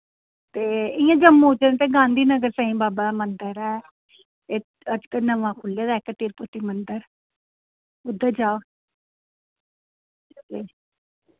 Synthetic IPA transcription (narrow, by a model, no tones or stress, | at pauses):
t̪eːɪjãːd͡ʒəmot͡ʃənːt̪eːɡãːnd̪iːnəɡəɾsə̃ːɦĩːbaːbaːd̪aːmənd̪əɾɛː | e | əd͡ʒkənəʋãːkʰʊlːaːd̪aːkəʈiːɾpʊt̪iːmənd̪əɾ | ʊd̪əd͡ʒaːo | eː